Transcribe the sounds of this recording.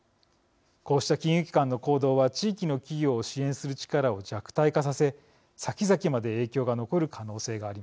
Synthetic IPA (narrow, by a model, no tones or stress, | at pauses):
ko̞ːɕi̥t̪akʲĩɯ̟kʲi̥kãnːo̞ko̞ːd̪o̞ːβat͡ɕiːkʲino̞kʲiɡʲo̞ːɕiẽɰ̃sɨɾɯ̟t͡ɕi̥kaɾao̞d͡ʑakɯ̟̥t̪aikas̬ase̞ | sakʲizakʲimad̪e̞e̞ːkʲo̞ːɡano̞ko̞ɾɯ̟kʰano̞ːse̞ːɡaːɾima